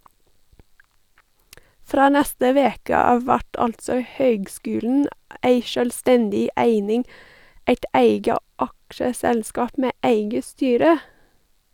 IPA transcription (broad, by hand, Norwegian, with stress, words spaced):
ˈfɾoː ˈnɛstə ˈʋeːkə ˈɑːʋ ˈʋæʈ ˈɑltsɔ ˈhøːɡˌskʉːln̩ ˈeɪ ʃœlˈstɛndɪ ˈæɪnɪŋ ˈæɪt ˈæɪɡə ˈʔɑkʃəˌsɛlˌskɑːp ˈmeː ˈæɪɡə ˈstyːɾə